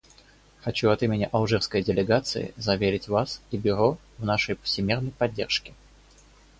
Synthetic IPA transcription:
xɐt͡ɕuɐt̪imʲɪnʲɪʔɐlˠʐɨrskəjdʲɪlʲɪɡat̪sɨ̰ɪ̰zɐvʲeɾʲɪtʲvasibʲɪɾo | vnaʂəjpə̥fsʲɪmʲernəjpɐdʲːerʂkʲɪ

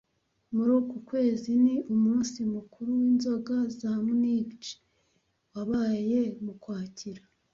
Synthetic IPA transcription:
muɾuːkukwe̞ːziniʔumuːnsimukʰuɾuwiːnzo̞ɡazamuniːɡt͡ʃi̥ | waβaje̞mukwaːciɾa

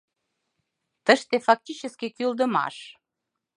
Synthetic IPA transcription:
t̪əʃt̪efɑk̚t̪ʲit͡ɕəskekyld̪əmɑ̰ʃ

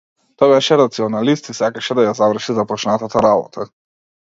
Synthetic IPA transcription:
t̪ɔjbɛʃɛɾat̪siɔnalist̪isakaʃɛd̪ajazavr̩ʃizapɔt͡ʃnat̪at̪aɾabɔ̰t̪ʰa

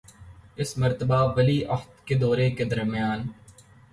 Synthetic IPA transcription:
ɪsmɐɾt̪əbaʋɐliːʔɐxt̪ked̪ɔːɾeked̪ɐɾmɪjaːn

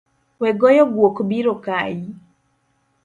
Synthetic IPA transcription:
wɛɡɔjɔɡwokbiɾokaji

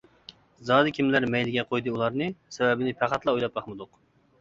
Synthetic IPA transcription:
zɑːd̪ɨkʲʰimlæɾmɛjlɪɡʲɛqʰojd̪ɨulˠɑɾnɨsɛwɛbɪnɪpʰæqæt̪lˠɑojlˠɑp̚bɑχmɨd̪ʊq

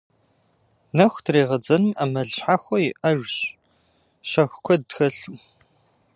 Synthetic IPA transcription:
nɐxʷtʰreːʁɐd͡zɐnmamɐɮɕħaxʷɔjɪʔɐʒɕ | ɕɐxʷkʷʰɔdtxɐɬu

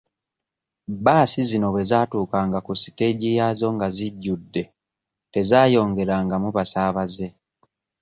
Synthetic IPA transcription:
baːsizino̞βe̞zaːtuːkaŋɡakusi̥te̞ɟijazo̞ŋɡaziɟːudːe̞ | te̞zaːjo̞ːŋɡe̞ɾaːŋɡamuβasaːβaze̞

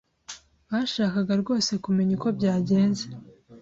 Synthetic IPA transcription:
βaʃaːkaɡaɾɡo̞ːse̞kume̞ɲuko̞bɟaːɟe̞ːnze

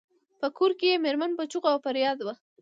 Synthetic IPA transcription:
pəkʰoɾkejemeɾmanpat͡ʃuqawfaɾjɑd̪wa

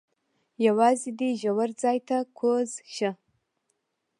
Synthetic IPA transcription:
jawɑːzid̪iʒawaɾd͡zaːjt̪ʰakʷʰozʃə

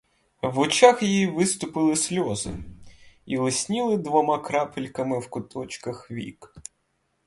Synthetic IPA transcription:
ʋɔt͡ʃaxjjiʋɪst̪ʊpɪlˠɪsʲlʲɔzɪ̰ | ilˠɪsʲnʲilˠɪd̪ʋɔmɑkɾɑpɪlʲkɐmɪwkʊt̪ɔt͡ʃkɐxʋʲḭk

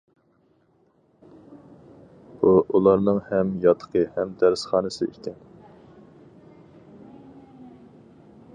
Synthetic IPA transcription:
b̥uʔulˠɑɾnɨŋhɛmjɑt̪ʰːə̥qʰəhɛmd̪æɾsχɑːnɨsɨ̰ḭt̪ʰɪn

